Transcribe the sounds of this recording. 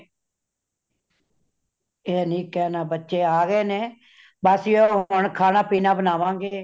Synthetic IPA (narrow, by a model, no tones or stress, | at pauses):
eːnĩːkɛːnaːbətːʃeːaːɡeːneː | baːsioːɦʊɳkʰaːnaːpiːnaːbənaːʋãːŋɡeː